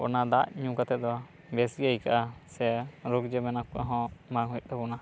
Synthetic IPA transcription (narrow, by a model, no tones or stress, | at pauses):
ɔ̰nad̪aʔɲũkat̪ɛd̪ɔ | bɛsiaikaʔasɛɾoɡd͡ʒɛmɛnakua̰ɦɔ̃maŋɦɔjɗɛbɔna